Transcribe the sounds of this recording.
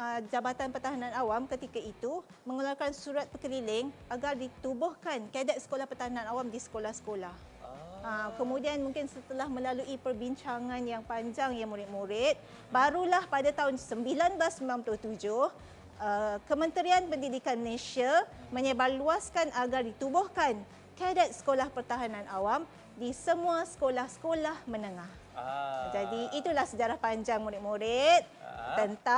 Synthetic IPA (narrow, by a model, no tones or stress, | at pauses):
əd͡ʒabat̪anpərt̪aɦanãnawamkət̪ikait̪u | məŋularkansuɾat̪̚pəkəlilɪŋaɡardit̪ubʊhkankiadat̪̚sə̥kolahpərt̪aɦanãnawamdisə̥kolahsə̥kolah | akəmũdianmũŋkɪnsət̪əlahmə̃laluʔipərbiɲt͡ʃaŋãnjaŋpaɲd͡ʒaŋjaŋmuɾɪt̪̚muɾɪt̪̚ | baɾulahpadat̪aɦʊnsəmbilanblasəmbilanpulʊht̪ud͡ʒʊh | əkəmə̃nt̪əɾianpəndidikanməlesiamə̃ɲəbaluaskanʔaɡardit̪ubɔhkan | kadat̪̚sə̥kolahpərt̪aɦanãnʔawam | disəmũasə̥kolahsə̥kolahmə̃nəŋah | d͡ʒadiʔit̪ulahsəd͡ʒaɾahpaɲd͡ʒaŋmuɾɪt̪̚muɾɪt̪̚t̪ənt̪a